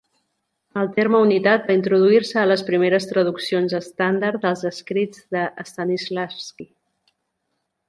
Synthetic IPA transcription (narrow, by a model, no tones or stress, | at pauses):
əlˠt̪eɾməunit̪at̪̚baint̪ɾuð̞uiɾsəːləspɾimeɾəst̪ɾəð̞uksionzəst̪and̪əɾd̪əlˠzəskɾid͡zðəʔəːst̪anizlafski